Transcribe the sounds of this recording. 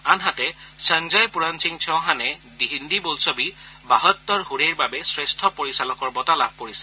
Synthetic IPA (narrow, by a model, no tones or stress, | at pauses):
anɦatɛsəŋd͡ʒajpuɹansiŋt͡ʃʰɔ̃w̃ɦanɛdiɦindibolsɔbibaɦɔt̪ːɔɹɦuɹeɹbabɛsɹestʰɔpoɹisalɔkɔɹbɔtalab̚ʱkoɹisɛ̥